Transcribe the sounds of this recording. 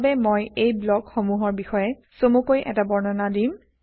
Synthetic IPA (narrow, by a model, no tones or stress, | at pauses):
bɛmojejblɔkxomuɦɔɹbixɔjɛ | somukojʔɛ̰tabɔɹnɔnadim